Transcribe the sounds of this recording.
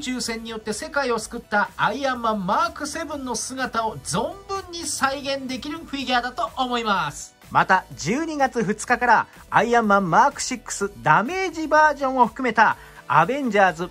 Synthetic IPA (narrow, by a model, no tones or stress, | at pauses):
t͡ɕɨːsẽ̞ɲ̟ːijo̞t̪ːe̞se̞kaio̞sɨ̥kɯ̟t̪ːaaiamːãmːaːkɯ̟se̞bɯ̟̃nːo̞sɨɡat̪ao̞zõ̞mbɯ̟̃ɲ̟ːisaiɡẽ̞nd̪e̞kʲiɾɯ̟ɸɯ̟iɡʲaːd̪at̪o̞ʔomo̞imasɨ̥ | mat̪ad͡ʑɨːɲ̟iɡat͡sɨɸɯ̟t͡sɨ̥kakaɾa | aiamːãmːaːkɯ̟̥ɕikːɯ̟̥sɨd̪ame̞ːʑibaːʑõ̞ɰ̃o̞ɸɯ̟̥kɯ̟me̞t̪a | a̰bẽ̞ɲ̟d͡ʑaːzɨ